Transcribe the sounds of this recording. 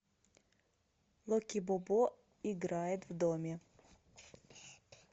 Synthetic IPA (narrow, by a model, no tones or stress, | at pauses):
lˠɔkʲibɔbɔ | iɡɾajɛt̪vd̪ɔmʲɛ